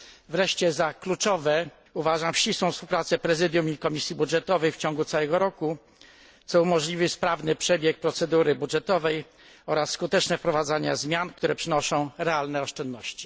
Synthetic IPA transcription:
vɾɛʂt͡ɕɛzaklut͡ʂɔvɛ | uvaʐamfɕt͡ɕiswɔ̃fspuwpɾat̪sɛpɾɛzɘd̪ʲjumikɔmʲisʲjibudʐɛt̪ɔvɛjft͡ɕɔ̃ŋɡut̪sawɛɡɔɾɔku | t̪sɔumɔʐlʲivɘspɾavnɘpʂɛbʲjɛk̚pɾɔt̪sɛd̪uɾɘbudʐɛt̪ɔvɛj | ɔɾasːkut̪ɛt͡ʂnɛfpɾɔvad̪zaɲa̰zmʲjankt̪uɾɛpʂɘnɔʂɔ̃w̃ɾɛalnɛɔʂt͡ʂɛnd̪nɔɕt͡ɕi̥

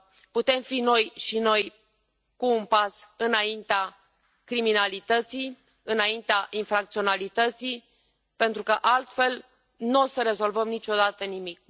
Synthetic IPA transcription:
put̪e̞mfino̞jʃino̞j | kuːnpasɨnaint̪ea | kɾiminalit̪ət̪sij | ɨnaint̪eaʔinfɾak̚t̪sio̞nalit̪ət̪si | pe̞nt̪ɾukəʔalt̪fe̞l | nosəɾe̞zo̞lvəmnit͡ʃo̞d̪at̪ənimik̚

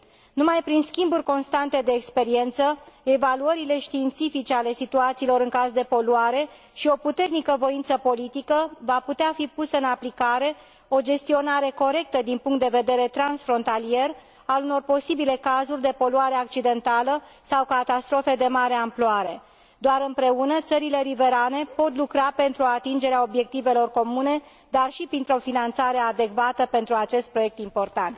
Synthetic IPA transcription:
numajpɾinskʲimburʲko̞nst̪ant̪e̞d̪e̞ːkspe̞ɾie̞nt̪səevaluəɾile̞ʃt̪iːnt̪sifit͡ʃe̞ale̞sit̪uat̪siːlo̞ɾɨŋkazd̪e̞po̞luaɾe̞ | ʃio̞put̪e̞rnikəvo̞int̪səpo̞lit̪ikəvaput̪eafipusəɨnaplikaɾe̞ | o̞d͡ʒe̞st̪io̞naɾe̞ko̞ɾe̞k̚t̪əd̪inpuŋkt̪d̪eve̞d̪e̞ɾe̞t̪ɾansfɾo̞nt̪alie̞r | aluno̞rpo̞sibile̞kazurʲd̪e̞po̞luaɾeak̚t͡ʃid̪e̞nt̪alə | sawkat̪ast̪ɾo̞fe̞d̪e̞maɾe̞amploaɾe̞ | d̪oaɾɨmpɾe̞unət̪səɾile̞ɾive̞ɾane̞po̞t̪lukɾape̞nt̪ɾuoat̪ind͡ʒe̞ɾeao̞bje̞k̚t̪ive̞lo̞rko̞mune̞ | d̪arʃipɾint̪ɾo̞finant̪saɾe̞ad̪e̞ɡvat̪əpe̞nt̪ɾuat͡ʃe̞st̪̚pɾo̞je̞k̚t̪impo̞rt̪ant̪

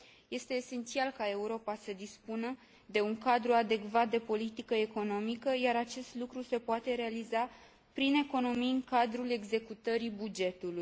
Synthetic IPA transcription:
je̞st̪e̞ːse̞nt̪sialkae̞uɾo̞pasəd̪ispunə | d̪e̞uŋkad̪ɾuad̪e̞kvat̪̚d̪e̞po̞lit̪ikəe̞ko̞no̞mikəjaɾat͡ʃe̞st̪lukɾuse̞poat̪e̞ɾe̞aliza | pɾine̞ko̞no̞mijɨŋkad̪ɾule̞ɡze̞kut̪əɾibud͡ʒe̞t̪uluj

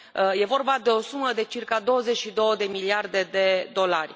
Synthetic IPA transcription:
je̞vo̞rbad̪e̞o̞suməd̪e̞t͡ʃirkad̪o̞wəze̞t͡ʃʃid̪o̞wəd̪e̞miliard̪e̞d̪e̞d̪o̞larʲ

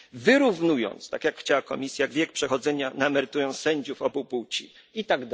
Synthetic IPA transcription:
vɘɾuvnujɔ̰nt̪st̪akʲjakxt͡ɕawakɔ̰mʲisʲjajaɡvʲjɛk̚pʂɛxɔd̪zɛɲanamɛɾɘt̪ujɔnssɛɲd͡ʑufɔbupuwt͡ɕḭ | it̪aɡd̪

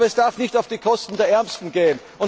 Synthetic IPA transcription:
ɐɛsd̥aɐfnɪçtaʊfd̥iːkʰɔstn̩deːɐʔɛɐmstn̩ɡeːən | ʊn

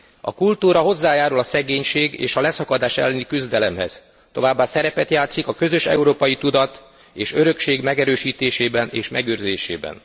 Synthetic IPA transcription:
ɒ̰kult̪uːɾɒɦo̞zːaːjaːɾulɒsɛɡeːɲʃeːɡḛːʃɒlɛsɒkɒd̪aːʃɛ̰lːɛnikyzd̪ɛlɛmhɛ̰z̥ | t̪o̞vaːbːaːsɛɾɛpɛt̪jaːt̪sikɒkø̞zø̞ʃɛ̰uɾoːpɒjit̪ud̪ɒt̪ | eːʃø̞ɾø̞kʃeːɡmɛɡɛɾøːʃiːt̪eːʃeːbɛnḛːʃmɛɡøːrzeːʃḛːbɛ̰n

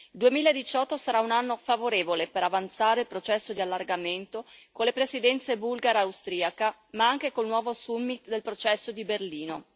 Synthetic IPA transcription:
ild̪uemiːlaed̪it͡ʃɔt̪ːosaɾaunanːofavoɾeːvolepeɾavant̪saːɾeilpɾot͡ʃɛsːod̪ialːarɡament̪okonlːepɾesid̪ɛnt̪sebulɡaɾawst̪ɾiːaka | maaŋkekolnwɔːvosumːit̪d̪elpɾot͡ʃɛsːod̪iberliːno̰

